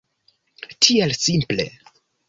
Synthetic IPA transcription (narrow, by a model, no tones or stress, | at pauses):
tʰielsimple̞̰